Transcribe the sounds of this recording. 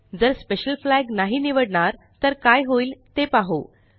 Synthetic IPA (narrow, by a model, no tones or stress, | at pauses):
d͡zəɾspeɕəlflæɡnaɦiniʋəɽɳaɾ | t̪əɾkajɦoiːlt̪epaɦo